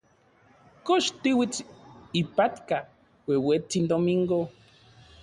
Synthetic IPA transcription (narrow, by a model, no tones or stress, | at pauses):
koʃt̪iwit͡sipat̪ka | wewet͡sind̪omiŋɡo